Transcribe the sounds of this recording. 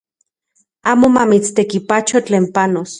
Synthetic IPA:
aːmomamit͡st̪ekipat͡ʃot͡ɬeːmpanos

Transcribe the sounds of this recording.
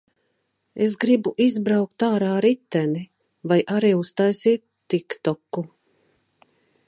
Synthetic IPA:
esɡɾibuʔizbɾawk̚t̪aːɾaːɾit̪ːɛni | vajʔaɾiːust̪ajsiːt̪ːikt̪ɔkːu

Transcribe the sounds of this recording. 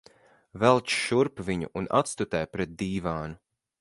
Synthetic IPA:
vɛlˠt͡ʃʃuɾpviɲṵʔuna̰t̪st̪ut̪ɛjpɾɛt̪̚d̪iːvaːnu

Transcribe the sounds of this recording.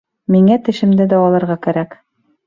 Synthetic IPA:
miŋæt̪ɘ̆ʃɘ̆md̪ɘd̪ɒɒlˠɤ̆ɾʁɑkæɾæk

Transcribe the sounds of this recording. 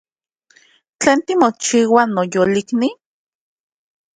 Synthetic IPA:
t͡ɬeːnt̪imot͡ʃiːwanojolikni

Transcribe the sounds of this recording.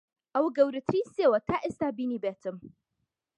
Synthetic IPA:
ʔawɡɐwɾɨt̪ʰɾisewɐt̪aʔɪst̪abinibɛtɨm

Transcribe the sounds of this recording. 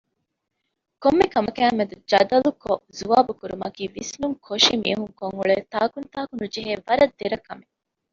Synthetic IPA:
komːekɐmɐkæːmed̪ud͡ʒɐd̪ɐlukozuʋaːbukuɾumɐkiːʋisnuŋkʰoʃimḭːɦuŋkoŋuɭeːt̪aːkunt̪aːkunud͡ʒeɦeːʋɐɾɐd̪ːeɾɐkɐme

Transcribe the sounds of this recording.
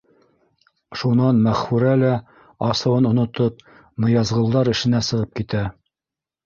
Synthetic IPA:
ʃunɑnmæχfʉɾælæ | ɑsɤ̆wɤnŏnŏt̪op̚ | nŏjɑzʁɤ̆lˠd̪ɑɾɘ̆ʃɘ̆næsɤ̆ʁɤp̚kit̪æ

